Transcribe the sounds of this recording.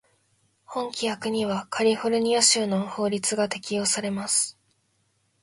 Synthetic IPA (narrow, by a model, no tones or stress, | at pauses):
hõ̞ŋkʲijakɯ̟ɲ̟iβakʰaɾʲihoɾɯ̟ɲ̟ioɕɨːno̞ho̞ːɾʲit͡sɨɡat̪e̞kʲijo̞ːsaɾe̞masɨ̥